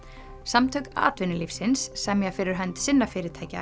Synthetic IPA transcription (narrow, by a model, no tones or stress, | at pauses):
samt̪ʰœɥka̰ːt̪vɪnːɪlifsɪnsːɛmjɛfɪːɾɪɾ̥ɦœnt̪sɪnːafɪːɾɪɾt̪ʰaːjca̰